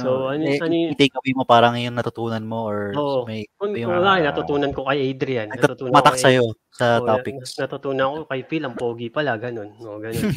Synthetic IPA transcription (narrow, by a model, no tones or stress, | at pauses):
soʔɐnɛɐit̪ɐjkɐwimopaːɾɐŋjʊŋnɐt̪ʊt̪uːnɐnmooɹoːʔʔomɐjojɐlaːkɪnɐt̪ʊt̪uːnɐnko̞kɐjʔajd̪ɾɪjanɐɡɐtʊt̪uːnmɐt̪ɐksɐjo | sɐaːpɪnɐt̪ʊt̪uːnɐnkokɐjfilɐŋpoːɡipɐlaɡɐno̞noɡɐnon